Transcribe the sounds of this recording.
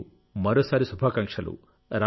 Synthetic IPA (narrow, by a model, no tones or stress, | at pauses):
mɐɾoːsaːɾisubʱaːkɐŋkʂɐlṵ | ɾa